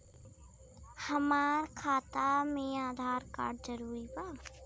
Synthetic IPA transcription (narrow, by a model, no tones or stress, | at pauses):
hɐmaːɾkʰaːt̪amẽaːd̪ʱaːɾka̰ːɖd͡ʒəɾuːɾibaː